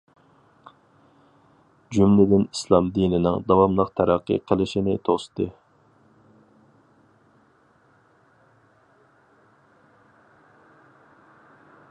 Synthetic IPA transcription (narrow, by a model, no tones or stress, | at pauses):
d͡ʒymlɪd̪ɪnislˠɑmd̪inɪnɪŋd̪ɑwɑmlˠəqt̪ʰæɾɑqʰːɨ̰qʰəlˠɪʃinɪt̪ʰost̪ʰɨ